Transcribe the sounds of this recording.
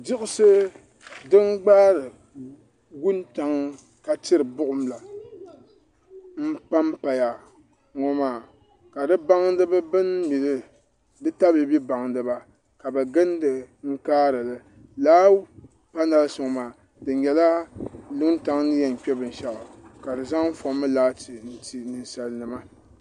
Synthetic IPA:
dɪ˦ʔʊ˦sɨ˦ | dɨ˦ŋ˦ɡ͡baː˦ɾɨ˨ | ɡu˦nta˨ŋ | ka˨tɨ˦ɾɨ˨bʊ˦ʔʊ˦mla˨ | m̩˦pa˦mpa˨ja˨ | ŋɔ˨maː˨ | ka˨dɨ˦ba˦ŋ˦dɨ˦bɨ˦bɨ˦nmi˨lɨ˦ | dɨ˦ta˦bɨ˨bi˦ba˨ŋdɨ˨ba˨ | ka˨bɛ˨ɡɨ˦n˦dɨ˨ŋ̩˦kaː˦ɾɨ˨lɨ˨ | laː˦ | pa˦na˦˨lsʊ˨ŋ˨maː˨ | dɨ˨ɲɛ˨la˦lɨ˦nta˦ŋnɨ˦jɛ˨ŋ˨k͡pɛ˦bɨ˨n̩˨ʃa˨ʔa˨ka˨dɨ˨za˦ŋm̩˦fɔ˨˦mːɨ˦laː˦ti˨n̩˦ti˨nɨ˨nsa˨lnɨ˨ma˦

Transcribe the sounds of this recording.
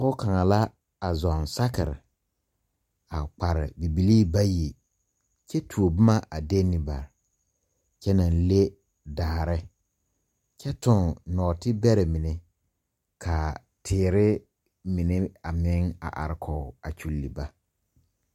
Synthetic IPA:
ʊ˦ka˨ŋa˨la˦ | a˨zɔ˨nsa˦kɪ̰˨ɾɪ̰˨ | a˨k͡pa˨ɾɪ̰˨bi˨bi˨liː˦ba˦ji˨ | t͡ʃɛ˦tʰu˨o˨bʊ˦ma˦ʔa˨de˦nɪ˨ba̰˨ɾ | t͡ʃɛ˦na˨n˦le˦ | daː˨ɾɪ˦ | t͡ʃɛ˦tʊ˨ŋnɔː˨tɪ˦bɛ˦ɾɛ˨mɪ˨ne˨ | kʰa˨ | tʰɪː˨ɾɪ˦ | mɪ˨ne˦a˨mɪ˦ŋa̰˨ʔa̰˨ɾɪ˦kʰɔ˨a˨t͡ʃu˨lːi˨ba˦

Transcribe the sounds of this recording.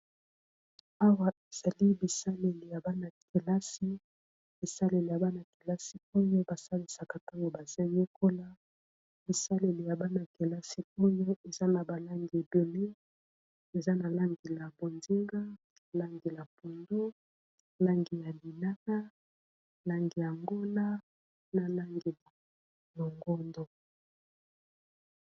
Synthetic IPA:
a˦wa˨e˨z̥a˨li˦bi˨sa˦le˨li˨ja˨ba˦na˨ke˨la˦si˦ | b̥i˨sa˦le˨li˨ja˨ba˦na˨ke˨la˦si˦o˦jo˦ba˨sa˦li˨sa˨ka˨ta˦ŋɡo˨ba˨za˦je˦kʰo˦la˦ | b̥i˨sa˦le˨li˨ja˨ba˦na˨ke˨la˦si˦o˦jo˦e˨za˦na˨ba˨la˦ŋɡi˨be˨le˦ | e˨za˦na˨la˦ŋɡi˨la˨bo˨nzi˦ŋɡa˦˨ | la˦ŋɡi˨la˨po˨ndo˦ | la˦ŋɡi˨ja˨li˨na˦na˦ | la˦ŋɡi˨ja˨ŋɡo˦la˦ | na˨la˦ŋɡi˨la˨ | lo˨ŋɡo˦ndo˦

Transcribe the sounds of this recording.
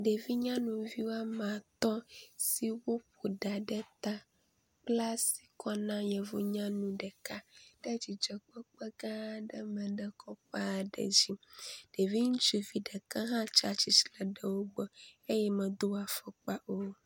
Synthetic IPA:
ɖe˨vi˦ɲã˦nũ˨vi˦wo˦a˦mã˨t̪ɔ˦si˦wo˦p̚o˨ɖa˨ɖɛ˦t̪a˦ | k͡pla˦si̥˨kɔ˦nã˦jɛ˨vo˦ɲã˦nũ˨ɖɛ˨ka˦ɖ̥ɛ˦d͡ʑi˨d͡ʒɔ˨k͡pɔ˦k͡pɛ˦ɡã˦ɖɛ˦mɛ̃˨ɖɛ˦kɔ˦k͡pa˦˨ɖɛ̰˨d͡ʑi˦ɖ̥e˨vi˦ŋũ˦t͡ʃu˦vi˦ɖɛ˨ka˦ɦã˦t͡ʃa˦t͡ʃi˦si˦˨lɛ˨ɖɛ˨wo˦ɡ͡bɔ˦e˦jɛ˦mɛ̃˨d̪o˦a˨fɔ˨k͡pa˦ʔo˦

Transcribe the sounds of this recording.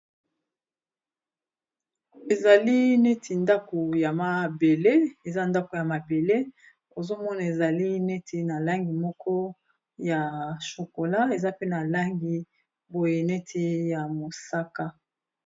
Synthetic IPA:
e˨za˨li˦ne˦tʰi˨nda˦ko˨ja˨ma˨be˨le˦e˨za˦nda˦ko˨ja˨ma˨be˨le˦ | o˨zo˦mɔ˦na˨e˨za˨li˦ne˦tʰi˨na˨la˦ŋɡi˨mɔ˦kʰɔ˦ | ja˨ʃo˨ko˨la˦e˨za˦pe˦na˨la˦ŋɡi˨ | bo˨je˨ne˦tʰi˦ja˨mo˨sa˦ka˦

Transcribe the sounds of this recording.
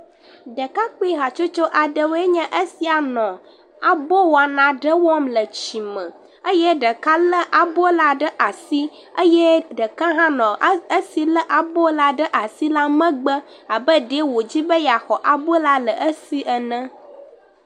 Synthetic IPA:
ɖə˨ka˦k͡pe˦ɦa˨t͡ʃo˦t͡ʃo˦ʔa˨ɖə˨we˦ɲə̃˦ʔə˦si˦a˨nɔ̃˨ | a˨bɔ˦wa˨nã˨ɖə˦wɔ˦mlə˨t͡ɕi˨mə̰̃˨ | ə˦jɛ˦ɖə˨ka˦lə˦ʔa˨bo˦la˦ɖə˦ʔa˨si˦ | ə˦jɛ˦ɖə˨ka˦ɦã˦nɔ̃˨ə˦si˦lə˦ʔa˨bo˦la˦ɖə˦ʔa˨si˦la˦mə̃˦ɡ͡bə˦ | a˨bə˦ɖe˦wo˨d͡ʑi˦bə˦ja˨xɔ˨ʔa˨bo˦la˦lə˨ʔə˦si˦ʔə˨nə̃˦

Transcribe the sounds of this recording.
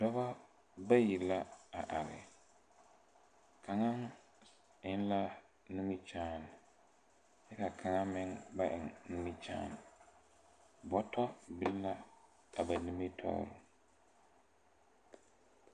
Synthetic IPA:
dɔ˦ba˦ | ba˦ji˨la˦a˨ʔa˨ɾɪ̰˨ | kʰa˨ŋa˦ŋ | ɪ˦nla˦ | nu˦mi˦t͡ʃaː˦n˨ | jɛ˦ka˨kʰa˨ŋa˦mɪ˦ŋba˦ʔɪ˨ŋnu˦mi˦t͡ʃa̰ː˦n˨ | bɔ˨tɔ˦bɪ˦lla˦ | a˨ba˨ni˨me˦tʰɔ̰ː˦ɾʊ̰˨

